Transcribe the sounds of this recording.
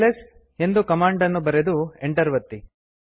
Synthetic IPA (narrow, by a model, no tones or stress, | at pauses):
les | e̞nd̪ukɐmaːɳɖɐnːubɐɾed̪ueɳʈɐɾʋɐt̪ːi